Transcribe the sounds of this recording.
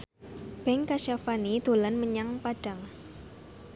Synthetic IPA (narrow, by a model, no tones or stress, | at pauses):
b̥ɛŋkaʃafanid̪̥o̤lanməɲaŋpaɖ̥a̤ŋ